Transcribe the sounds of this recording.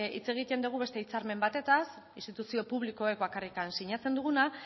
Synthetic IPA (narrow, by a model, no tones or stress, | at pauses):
ḭt͡se̞ɣ̞it̪e̞nd̪uɣ̞uβe̞st̪e̞it͡saɾme̞mbat̪e̞t̪as | inst̪it̪usio̞puβliko̞ek̚bakarikansiɲat͡se̞nd̪uɣuna